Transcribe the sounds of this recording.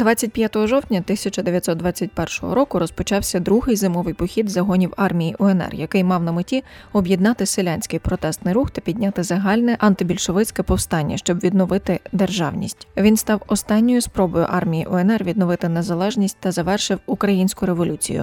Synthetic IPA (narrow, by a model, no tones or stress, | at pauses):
d̪ʋɑt͡sʲːɐt̚ʲpʲjat̪ɔɦɔʒɔwt̪ʲnʲɐt̪ɪsʲɐt͡ʃɐd̪eʋjɐt̪sɔt̪d̪ʋɑt͡sʲːɐtʲpɛrʃɔ̰ɦɔ̰ɾɔkʊɾɔspɔt͡ʃɑwsʲɐd̪ɾuɦɪjzɪmɔʋɪjpɔxʲid̪zɐɦɔnʲiwɑrmʲijiʔɔɛnɛ̰rjɐkɪjmɑwnɐmɪtʲiɔbʲjid̪nɑt̪ɪselʲanʲsʲkɪjpɾɔt̪ɛst̪nɪjɾuxt̪ɐpʲidʲnʲat̪ɪzɐɦɑlʲnɛʔɐnt̪ɪbʲilʲʃɔʋɪt͡sʲkɛpɔwst̪ɑnʲːɐ̰ʃt͡ʃɔbʋʲid̪nɔʋɪt̪ɪd̪erʒɑ̰wnʲḭsʲtʲʋʲinst̪ɑwɔst̪ɑnʲːɔjʊspɾɔbɔjʊ̰ʔɑrmʲijiʔɔɛnɛrʋʲid̪nɔʋɪt̪ɪnezɐlˠɛʒnʲisʲt̚ʲt̪ɐzɐʋɛrʃɪwukɾɐjinʲsʲkʊɾeʋɔlʲut͡sʲḭjʊ̰